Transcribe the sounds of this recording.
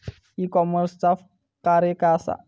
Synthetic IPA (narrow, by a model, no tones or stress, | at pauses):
ikɔmərstaf | kaɾekasa̰